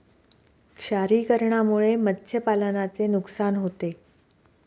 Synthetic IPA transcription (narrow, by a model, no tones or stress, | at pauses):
kʂaɾiːkəɾɳamuɭemət̪ːɕʰjəpalənat͡senuksanɦot̪e